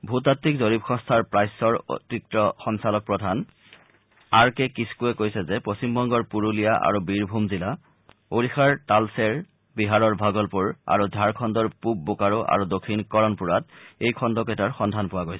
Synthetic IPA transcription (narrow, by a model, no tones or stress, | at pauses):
bʱutatːikzoɹibxʰɔnstʰaɹpɹajsɔɹo̰tik̚tɔxɔŋsalɔk̚pɹɔdʱan | aɹkɛkiskuɛkojsɛzɛpost͡ɕimbʱɔŋɡɔɹpuɹulijaʔa̰ɹubiɹbʱumzila | oɹixaɹtalsɛɹ | biɦaɹɔɹbʱaɡɔlpuɹa̰ɹudʱaɹkʰɔndɔɹpub̚bukaɹoʔa̰ɹudokʰːinkɔɹɔnpuɹatejkʰɔndɔkɛtaɹxɔndʱanpʊwaɡojsɛ